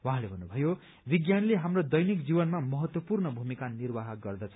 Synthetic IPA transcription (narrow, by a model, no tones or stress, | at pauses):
waɦãlebʱʌnːubʱʌjo | biɡjanleɦamrod̪ʌjnikd͡zibʌnmamʌɦʌt̪wʌpurnʌbʱumikanirbaɦɡʌrd̪ʌt͡sʰʌ̥